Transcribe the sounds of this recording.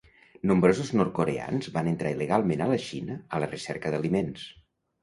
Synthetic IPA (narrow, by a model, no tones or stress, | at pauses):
nombɾozuznɔɾt̪̚koɾea̰nzbanənt̪ɾailəɣalˠmenələʃinəələrəsɛɾkəðəlimens